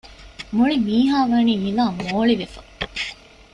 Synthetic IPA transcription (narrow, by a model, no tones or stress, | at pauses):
muɭimiːɦaːʋaniːmilaːmoːɭiʋefɐ